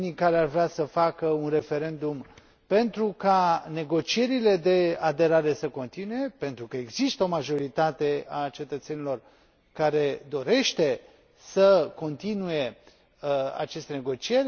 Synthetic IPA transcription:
nikaɾearveasəfakəunre̞fe̞ɾe̞nd̪um | pe̞nt̪ɾukane̞ɡo̞t͡ʃije̞ɾile̞d̪e̞ad̪e̞ɾaɾe̞səko̞nt̪inuje̞pe̞nt̪ɾukəe̞ɡzist̪əomaʒo̞ɾit̪at̪e̞at͡ʃe̞t̪ət̪se̞nilo̞r | kaɾe̞d̪o̞ɾe̞ʃt̪e̞ | səko̞nt̪inuje̞ | a̰t͡ʃe̞st̪e̞ne̞ɡo̞t͡ʃije̞rʲ

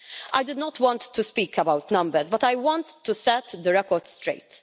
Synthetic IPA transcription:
ʔajd̪ɪd̪nɔt̪wɔ̃nt̪ʰːuspiːkʰəbawt̪nɐ̃mbəɾzbɐt̪ajwɔ̃nt̪ːusɛt̪d̪əɾɛkɔɾdst̪ɾḛɪt̪

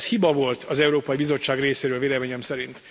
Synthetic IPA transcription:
shibɒvo̞lt̪ʰɒzɛuɾoːpɒjibizo̞t͡ʃːaːɡreːseːɾøːlveːlɛmeːɲɛmsɛɾint̪

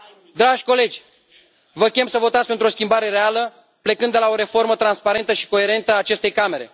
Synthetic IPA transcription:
d̪ɾaʒʲko̞le̞d͡ʒʲ | vəkʲe̞msəvo̞t̪at̪spe̞nt̪ɾuoskʲimbaɾe̞ɾe̞alə | ple̞kɨnd̪elao̞ɾe̞fo̞rmət̪ɾanspaɾe̞nt̪əʃi̥ko̞e̞ɾe̞nt̪əaːt͡ʃe̞st̪e̞jkame̞ɾe̞̰

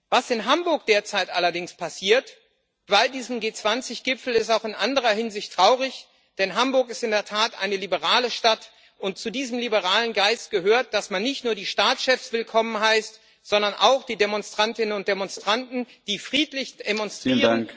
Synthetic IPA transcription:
vasɪnɦambʊɐk̚d̥eːɐt͡saɪtʔalɐdɪŋspʰasiːɐt | v̥aɪldiːzn̩m̩ɡeːt͡sv̥ant͡sɪçɡ̥ɪpfl̩ɪstaʊxɪnʔandəʁ̞ɐɦɪnzɪçtʁ̥aʊʁɪç | d̥ɛnɦambʊɐkɪstɪndeːɐtʰaːtʔa̰ɪnəlibəʁaːləʃtat | ʔʊntt͡sudiːzəm̩libəʁaːlənɡaɪst̚ɡ̥əɦøːɐt̚d̥asmanːɪçtnuːɐdiːʃtaːt͡sʃɛfsv̥ɪlkʰɔmənɦaɪst | z̥ɔndɐnʔa̰ʊxd̥iːdemɔnstʁ̥antɪnənʊnt̚d̥emɔnstʁ̥antn̩ | d̥iːfʁ̥iːtlɪç̥emɔnstʁiːʁən

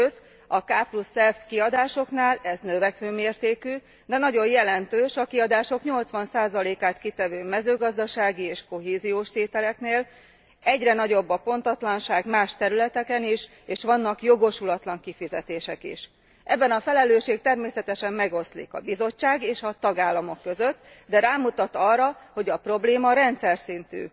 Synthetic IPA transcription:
øt̪ː | ɒkaːplusɛft̪kiɒd̪aːʃo̞knaːlɛznøvɛkføːmeːrt̪eːky | d̪ɛnɒɟo̞jjɛlɛnt̪øːʃɒkiɒd̪aːʃo̞kɲo̞lt̪sʋɒnsaːzɒleːkaːt̪kit̪ɛvøːmɛzøːɡɒzd̪ɒʃaːɡieːʃko̞ɦeːzijoːʃt̪eːt̪ɛlɛkneːl | ɛɟrɛnɒɟo̞bːɒpo̞nt̪ɒt̪lɒnʃaːɡmaːʃt̪ɛɾylɛt̪ɛkɛniʃ | eːʃʋɒnːɒkjo̞ɡo̞ʃulɒt̪lɒŋkifizɛt̪eːʃɛkḭʃ | ʔɛbːɛnɒfɛlɛløːʃeːk̚t̪ɛrmeːsɛt̪ɛʃɛmːɛɡo̞slḭkɒ̰bizo̞t͡ʃːaːɡeːʃɒt̪ɒɡaːlːɒmo̞kːø̞zø̞t̪ː | d̪ɛɾaːmut̪ɒt̪ɒrːɒho̞ɟɒpro̞bleːmɒɾɛnt̪sɛrsint̪y̰ː

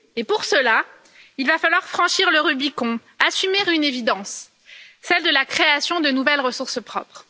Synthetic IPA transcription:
epuʁsəla | ilvafalwaʁfχɑ̃ʃiʁləʁybikɔ̃ | asymeʁynevid̪ɑ̃sː | ɛld̪əlakχeasjɔ̃d̪ənuvɛlʁəsuʁspχɔ̰pχ

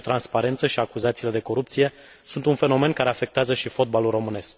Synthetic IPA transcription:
t̪ɾanspaɾe̞nt̪səʃiakuzat̪sile̞d̪e̞ko̞ɾup̚t̪sije̞ | sunt̪unfe̞no̞me̞nkaɾe̞afe̞k̚t̪eazəʃifo̞t̪̚balulro̞mɨne̞sk

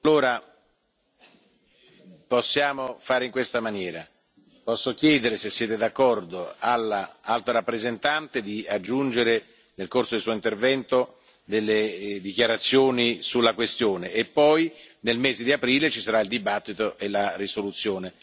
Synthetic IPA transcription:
alːoːɾa | posːjaːmofaːɾeiŋkwest̪amanjɛːɾa | pɔsːokjɛːd̪eɾesesːjɛːt̪ed̪akːɔrd̪oalːaalt̪aɾapːɾezent̪ant̪ed̪iad͡ʒːund͡ʒeɾe | nelkorsodeilsuːoint̪ervɛnt̪o | d̪elːed̪ikjaɾat̪sːjoːnisulːakwest̪joːneːpːɔjnelmeːzed̪iapɾiːlet͡ʃisaɾaild̪ibat̪ːit̪oʔelarisolut̪sːjoːne

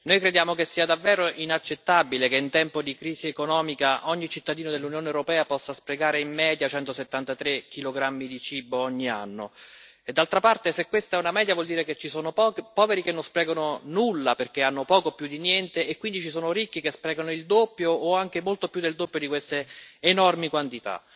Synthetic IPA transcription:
nojkɾed̪jaːmokesːiːad̪avːɛːɾoʔinat͡ʃːet̪ːabilekeint̪ɛmpod̪ikɾiːziekonɔːmikaʔɔɲːit͡ʃit̪ːad̪iːnod̪elːunjoːneewɾopɛːapɔsːaspɾeɡaːɾeimːɛːd̪jat͡ʃɛnt̪oset̪ːant̪at̪ɾekʰːiloɡɾamːid̪it͡ʃiːboɔɲːia̰nːo̰ | ed̪ːalt̪ɾapart̪esekwest̪aɛunamɛːd̪javwɔld̪iːɾeket͡ʃːisoːnopɔːveɾikenːonspɾɛːɡononulːaperk̟eanːopɔːkopjud̪ːinjɛnt̪eʔːkːwind̪it͡ʃisoːnoɾikːikespɾɛːɡanoild̪opːjoːaŋk̟emolt̪opjud̪eld̪opːjod̪ikwest̪eːnɔrmikwant̪it̪a̰

